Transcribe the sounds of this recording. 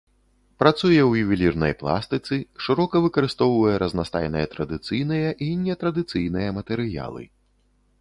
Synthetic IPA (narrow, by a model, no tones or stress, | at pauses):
pɾat̪sujɛwjuvʲilʲirnɐ̰jplˠa̰st̪ɨt̪sɨʂɨɾɔkɐvɨkɐɾɨst̪ɔwvɐjɛɾɐznast̪a̰jnɨ̰jɛt̪ɾɐd̪ɨt̪sɨjnɨjɐʔinʲːɛt̪ɾɐd̪ɨt̪sɨjnɨjɐmɐt̪ɛɾɨja̰lˠɨ̰